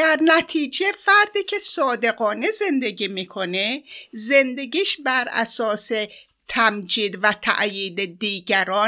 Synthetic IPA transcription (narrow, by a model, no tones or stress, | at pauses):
æɾnæt̪ʰiːd͡ʒefæɾd̪iːcʲʰe̞sɒːd̪e̞ɣɒːne̞ze̞nd̪e̞ɡiːmiːkʰoneze̞nd̪e̞ɡiːʃbæɾæ̰sɒːse̞ | t̪ʰæmd͡ʒiːd̪væt̪ʰæ̰ʔjiːd̪ed̪iːɡæɾɒː